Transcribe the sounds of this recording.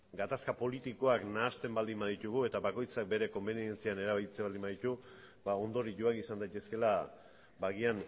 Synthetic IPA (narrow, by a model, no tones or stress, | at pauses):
ɡat̪askapo̞lit̪iko̞aknaːst̪e̞mbald̪imaðit̪uɣ̞ue̞t̪aβako̞jt͡sak̚be̞ɾe̞ko̞mbe̞nie̞nt͡siane̞ɾaβajt͡seβald̪imaðit̪u | bao̞nd̪o̞ɾiʝo̞akisand̪ajt̪eske̞la | baɣian